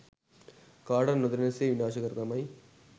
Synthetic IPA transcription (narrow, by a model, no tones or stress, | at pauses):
kaːɽɐɾnɐd̪ɐɾnɐseːʋɪnaːʃɐɣɐɾt̪ɐmɐj